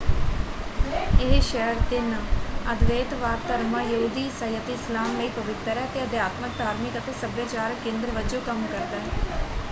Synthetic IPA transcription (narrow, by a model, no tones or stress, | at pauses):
eɦʃɛːəɾd̪ɪnəd̪ʋeːt̪ʋaːɾt̪əɾmaːjəɦuːd̪iːsəjət̪ɪslaːmːeipəʋɪt̪əɾɛːt̪eːəd̪jaːt̪mək̚d̪aːɾmɪkət̪eːsəbjaːt͡ʃaːɾkːẽːnd̪ɾəʋəd͡ʒoːkəmkəɾd̪aːɦɛ